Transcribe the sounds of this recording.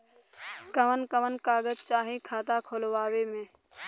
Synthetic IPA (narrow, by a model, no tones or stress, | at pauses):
kəʋənkəʋənkaːɡət̪̚t͡ʃaːɦĩkʰaːt̪akʰolwaːwemẽː